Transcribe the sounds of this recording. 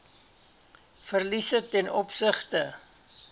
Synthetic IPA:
fərlisətɛnɔpsəχtə

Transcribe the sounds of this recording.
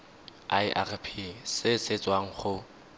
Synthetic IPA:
aɪʔa̰rɪpʰisɪset͡sʼwaŋ̩χʊ

